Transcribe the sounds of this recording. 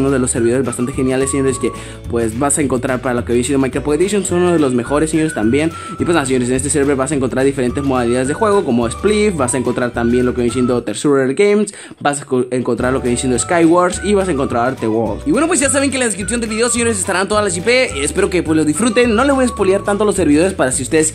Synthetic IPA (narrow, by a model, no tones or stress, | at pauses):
unozðe̞lo̞sːeɾβiðoezβast̪ant̪e̞xe̞njalesːjend̪oeske̞ | pwesbasaeŋko̞nt̪ɾaɾpaɾalokeβjnsend̪omajkɾopoɣeðisjonsonunozðelo̞zme̞xo̞ɾeseɲo̞ɾest̪ambje̞n | ipwenas̬eɲo̞ɾes̬ne̞st̪eseeβɾeβasaeŋkont̪ɾaɾðife̞ɾe̞nt̪e̞zmo̞ðaliðaðe̞zðexwe̞ɣo̞ko̞moesplifbasaeŋko̞nt̪ɾaɾt̪ambjenlokejnsje̞nd̪ot̪eɾsuɾelɡejms | basaeŋko̞nt̪ɾaɾlokejense̞nd̪oeskajɣwaɾsiβasaeŋko̞nt̪ɾaɾt̪ewoɾld̪iβwe̞no̞pwezʝas̬aβe̞ŋk̬elaðeskɾipsjond̪elβiðeoseɲo̞ɾe̞s̬est̪aɾant̪o̞ðalas̬ipe̞espe̞ɾoke̞pwezlo̞zðisfɾut̪e̞nːo̞leβo̞jaspoljaɾt̪ant̪̬olo̞se̞ɾβiðo̞ɾe̞spaɾasiust̪e̞ðes